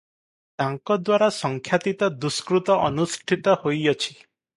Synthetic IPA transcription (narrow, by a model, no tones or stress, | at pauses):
t̪aŋkɔd̪waɾasɔŋkʰjat̪it̪ɔd̪uskɾut̪ɔʔɔnusʈʰit̪ɔhojɔt͡ʃʰi̥